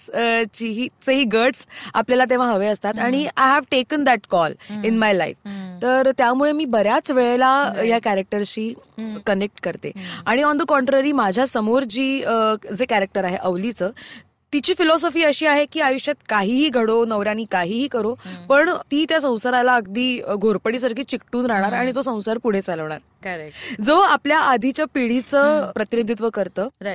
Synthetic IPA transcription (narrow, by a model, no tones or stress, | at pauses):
t͡ɕiɦiːt͡səɦiːɡəɾʈsa̰pljalat̪̬eʋ̤ãɦəʋeəst̪at̪aɽ̃iajɦæʋʈekənd̪æʈkɔlinmajlaift̪əɾt̪jamuɭemiːbəɾjat͡sʋeɭelajakæɾək̚ʈəɾɕiːkənek̚ʈkəɾt̪ḛaɽ̃iɔ̃nd̪əkɔ̃ɳʈɾaɾiːmad͡ʑʱjasəmoɾd͡ʑiːd͡zekæɾek̚ʈəɾaɦeʔəʋlit͡səː | t̪it͡ɕiːfilɔsɔfiːəɕiːaɦekiːajuɕjat̪kaɦiːɦiːɡʱəɽonəʋɾjañiːkaɦiːɦiːkəɾopəɳt̪iːt̪jasə̃w̃saɾalaəɡd̪iːɡʱoɾpəɽiːs̬əɾkʰiːt͡ɕik̚ʈuːnɾaɦɽ̃aɾaɽ̃it̪osə̃w̃saɾpuɽ̤et͡saləʋɳ̃a̰ɾ | kd͡zəapljaʔad̪ʱit͡ɕjapiɽit͡səpɾət̪inid̪ʱit̪ʋəkəɾt̪əː